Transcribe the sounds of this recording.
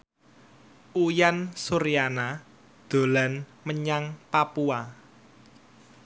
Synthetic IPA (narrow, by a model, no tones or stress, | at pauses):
ʔujansuɾijana | d̪̥o̤lanməɲaŋpapua